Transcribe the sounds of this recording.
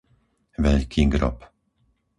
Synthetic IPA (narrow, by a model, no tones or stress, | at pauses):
vɛʎkʰiːɡɾɔ̰p